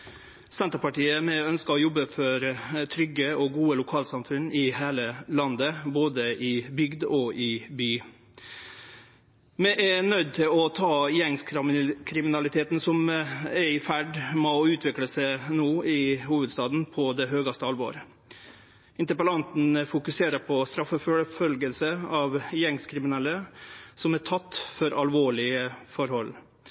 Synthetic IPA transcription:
sɛnt̪ɾəpɑʈiːəmɛœnskɑɾɔjɔbːəfɔɾt̪ʰɾʏɡːəɔɡuːəlʊkʰɑːlsɑmfʉnːʔɪheːləlɑnd̪əboːd̪əʔɪbʏɡd̪ɔʔɪbyː | mɛʔɛnœʏd̪̚t̪ʰɪlɔt̪ʰɑːjɛŋskʰɾɪmɪnɑlɪt̪ʰeːt̪n̩sɔmæɾɪfæɖmɔʉːt̪ʰʋɪkləsænoːɪhuːʋəd̪st̪ɑːd̪n̩pʰɔd̪ɛɦøːɡɑst̪əɑlʋɔ̰ːɾ | ɪnt̪əɾpəlɑnt̪n̩fʊkʉseːɾəɾpʰɔst̪ɾɑfːəføːɽəfœlɡəlsəɑʋjɛŋskʰɾɪmɪnɛlːəsɔmæʈʰɑt̪ːfɔɾɑlʋoːɭɪəfɔɾhɔlː

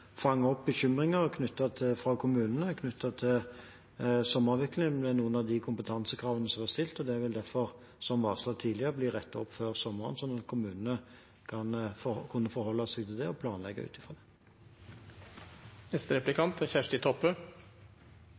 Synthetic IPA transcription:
fɑŋːɔp̚bəɕʏmʁɪŋəʁkʰnʉt̪ːɑt̪ʰɪfɾɑkʰʊmʉːnənəkʰnʉt̪ːɑt̪ʰɪl | sɔmːɑʁʋɛklɪŋd̪ɛːnuːənɑʋd̪ɪkʰʊmpət̪ʰɑnsəkʰɾɑːʋənəsɔmʋɑst̪ɪlt̪ɔd̪ɛʋɪld̪æɾfɔʁ | sɔmʋɑːʁslɑːt̪ʰiːd̪lɪəʁəbliːʁɛt̪ːɔpːføːʁsɔmːɑʁə̰nsɔnɑt̪kʰʊmʉːnənə | kʰɑnfkʰʊnːəfɔɾhɔlːɑsɛɡt̪ʰɪld̪ɛɔpʰlɑːnlɛ̰ɡːə̰ʉ̰ːt̪ɪfʁɑd̪ɛ | ɛst̪əɾɛplɪkʰɑnt̪æçæʂʈɪt̪ʰɔpːə

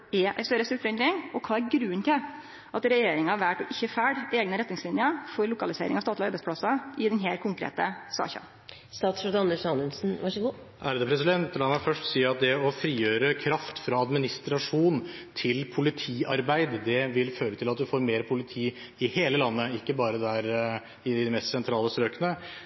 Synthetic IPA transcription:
ɛʔæ̰ɪst̪œɾəst̪ʉt̪ʋɛnd̪ɾɪŋɔkʰɑːæɾɡɾʉːənt̪ɪ | ʔɑt̪ɾɛjeːɾɪŋɑʋæʈɔʔɪçːəfæːɖeːɡnəɾɛt̪nɪŋslɪnjəfɔɾlʊkɑlɪsḛːɾʔɪ̰ŋɑʋst̪ɑːt̪lɪɔɑɾbæɪspɽɑsɑʔɪd̪ɛnɦeːlkʰʊŋkɾḛːt̪əsɑ̰ːçɑ̰n | st̪ɑːt̪sɾud̪ɑnɛlsɑnʉnsn̩ʋɑʂəɡuː | ʔæɾd̪ɛpʰɾɛsɪd̪ɛnt̪lɑnːəfœʂʈsiːəɾɑt̪̚d̪ɛɔfɾiːjøːɾəkʰɾɑft̪fɾɑɑd̪mɪnɪst̪ɾɑʂuːnt̪ʰɪlpʰʊlɪt̪ʰiːɑɾbæɪd̪d̪ɛʋɪlføːɾət̪ʰɪlɑt̪̚d̪ʉfoːɾmeːɾpʰʊlɪt̪ʰiː | ɪheːləlɑnːəɪkːəbɑːɾəd̪æɾ | ɪd̪ɪmɛst̪sɛnt̪ʰɾɑːləst̪ɾøːkənə

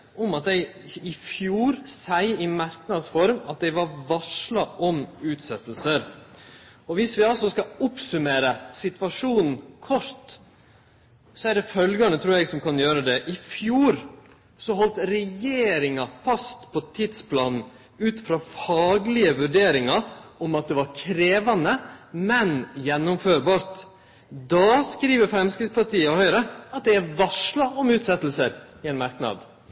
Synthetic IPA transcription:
ɔmɑt̪̚d̪æɪ | ɪfjuːɾsæɪɪmæɾknɑd̪sfɔɾmɑt̪̚d̪æɪʋɑɾʋɑʂlɑʔɔmʉːt̪sɛt̪ːlsəɾ | ɔʋɪsʋɪɑlsɔskɑʊpsʉmeːɾəsɪt̪ʋɑʂuːnn̩kʰɔʂt̪ | sɔæɖɛfœlɡɑnət̪ʰɾuːɾɛɡsɔmkʰɑnjøːɾəd̪ɛʔɪfjuːɾ | sɔɦɔlt̪ɾɛjeːɾɪŋɑfɑst̪pʰɔt̪ʰɪd̪spʰlɑːnn̩ | ʉːt̪fɾɑːfɑːɡlɪəʋʉɖeːɾɪŋɑɾɔmɑt̪̚d̪ɛʋɑɾkʰɾeːʋɑnəmɛnjɛnːʊmføːɾbɑːɾt̪ | d̪ɑːskɾiːʋəɾfɾɛmskɾɪɡspɑʈiːəɔhœʏɾəɑt̪̚d̪ɛæʋɑʂlɑʔɔmʉːt̪sɛt̪ːl̩səɾɪɛnmɑɾknɑ̰d̪

